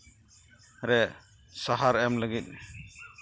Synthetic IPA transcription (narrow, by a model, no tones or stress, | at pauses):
ɾɛ | saɦaɾɛmləɡit̚